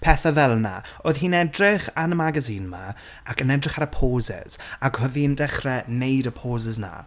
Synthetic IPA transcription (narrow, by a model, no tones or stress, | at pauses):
pʰɛθaðɛlˠna̰oːð̥hiːnɛdrɪχanəmaɡaziːnma | akənɛdrɪχaɾəpʰoːzɛ̰z̥akhʊðiəndɛχrɛnejdəpʰoːzəzna̰